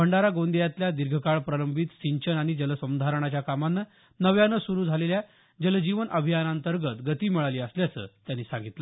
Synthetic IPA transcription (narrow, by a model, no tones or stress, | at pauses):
bəɳɖaɾaɡond̪ijat̪ljad̪iɾɡʱəkaɭpɾələmbʱit̪siɲt͡ɕənaɽ̃id͡ʑələsəmd̪ʱaɾəɳ̃at͡ɕjakamanːə | nəʋjanːəsuɾuːd͡zʱalelja | d͡ʑələd͡ʑiʋənʔəbʱijanant̪əɾɡət̪ɡət̪iːmiɭaliːəsljat͡sə̰ːt̪janːiːsãŋɡit̪lə